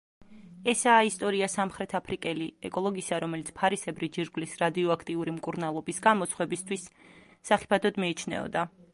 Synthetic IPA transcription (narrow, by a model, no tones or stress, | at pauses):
ɛsaːist̪ʼɔɾiasamχɾɛt̪ʰapʰɾikʼɛliɛkʼɔlˠɔɡisaɾɔmɛlit̪sʰpʰaɾisɛbɾid͡ʒiɾɡlisɾad̪iɔakʰt̪ʼiuɾimkʼuɾnalˠɔbisɡamɔt̪sʰχwɛbist̪ʰwisːaχi̥pʰad̪ʰɔd̪miːt͡ʃʰnɛ̰ɔ̰d̪a